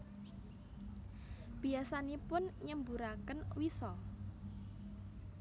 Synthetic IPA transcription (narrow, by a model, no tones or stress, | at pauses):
b̥i̤asanipʊnɲəmbuɾakənwisɔ